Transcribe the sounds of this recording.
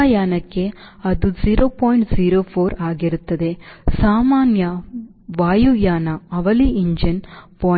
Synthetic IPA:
jaːnɐkːeɐðɯziːɾoːpoːjɪɳʈziːɾoːfʰoːɾaːɣɪɾɯt̪ːɐðeːsaːmaːnjɐ | ʋaːjujaːnɐɐʋɐliɪɲd͡ʒɐnpoː

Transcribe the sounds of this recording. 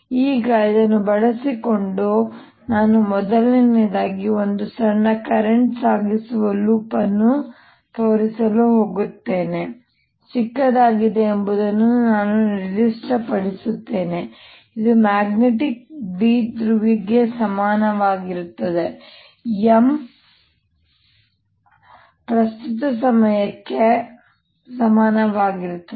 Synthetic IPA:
iːɡɐid̪ɐnːubɐɭɐsiko̞ɳɖu | naːnumɔd̪ɐlnined̪aːɡio̞nd̪usɐɳːɐkɐɾeɳʈsaːɡisuʋɐluːpɐnːu | t̪ʰo̞ːɾisɐluɦo̞ːɡut̪ːe̞ːne̞ | t͡ʃikːɐd̪aːɡid̪eːmbud̪ɐnːunaːnuɾid͡ʒisʈɾɐpɐɽisut̪ːe̞ːne̞ | id̪umaːɡneʈik̚biːd̪ɾuʋiɡe̞sɐmaːnɐʋaːɡiɾut̪ːɐd̪e̞ | em | pɾɐst̪ut̪ɐs̬ɐmɐjɐkːe | sɐmaːnɐʋaːɡiɾut̪ːɐ

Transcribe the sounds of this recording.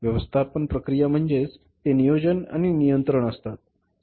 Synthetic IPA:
ʋjəʋəst̪ʰapənpɾəkɾijam̤əɳd͡zet͡s | t̪enijod͡ʑəna̰ɽ̃inijənt̪ɾəɳəst̪at̪̚

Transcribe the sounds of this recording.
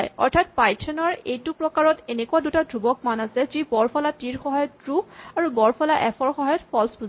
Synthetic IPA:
jɔ̰ɹtʰat̚pajtʰɛnɔɹejtupɹɔkaɹɔtenɛkuadutadʱubɔk̚manasɛzibɔɹpʰɔlatiɹxɔɦajɔtɹuaɹubɔɹpɔlaʔɛpʰɔɹxɔɦajɔtpʰɔlspu

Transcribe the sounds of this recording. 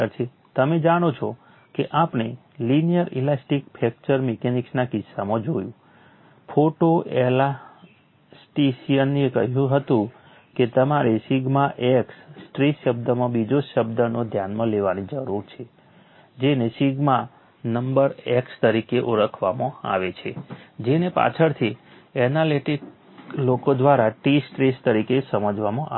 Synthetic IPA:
əɾt͡ʃʰe | t̪əmed͡ʒaɽ̃ot͡ʃʰɔ | keʔapne | linijəɾilasʈikpʰɛk̚t͡ʃəɾmekeniksnakɪsːamãd͡ʒojũ | fʰoʈoʔela | sʈesijənːiekəɦjũɦət̪ũ | ket̪əmaɾeʃiɡmaʔekssʈɾiʃəb̚d̪əmãbid͡ʒoʃəbd̪ənod̪ʱjanmãleʋanid͡ʒəɾuɾt͡ʃʰe | d͡ʒenesiɡmã | nəmbəɾekst̪əɾikeʔoɾəkʰʋamõa̰ʋet͡ʃʰed͡ʒenepa̰t͡ʃʰəɾt̪ʰi | ɛnaleʈik | lokod̪ʋaɾaʈisʈɾest̪əɾikesəməd͡ʒʋamõʔa

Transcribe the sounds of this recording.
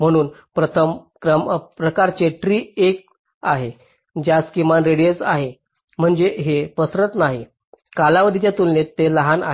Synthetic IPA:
m̤əɽ̃uːnpɾət̪ʰəmkɾəmpɾəkaɾt͡ɕeʈɾiːek̚ | aɦe | d͡ʑjaskimanɾeɽiət͡sa̰ɦe | m̤əɳd͡zeɦepəsɾət̪naɦi | kalaʋəd̪ʱit̪jat̪unlet̪ːeləɦana̰ɦe

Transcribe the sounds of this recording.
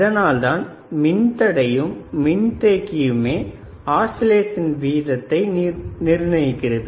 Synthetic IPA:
ɪðɐnaːlt̪aːn | mɪnt̪ɐɽɐjɯmːɪnt̪eːkːɪjɯmeː | aːsɪleːsɐnʋiːðɐt̪ːɐɪnɪɾnɐjɪkːɪɾɐðɯ

